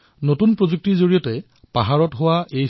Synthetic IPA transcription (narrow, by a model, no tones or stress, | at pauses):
notunpɹozuk̚tizoɹijɔtɛ | paɦaɹɔtɦʊwaej